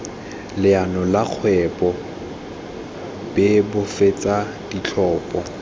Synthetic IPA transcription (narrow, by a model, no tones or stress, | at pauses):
lɪanɔlak͡xʰwɛpʼɔ | b̥ɪbʊfet͡sʼa | d̥it͡ɬʰɔːpʼɔ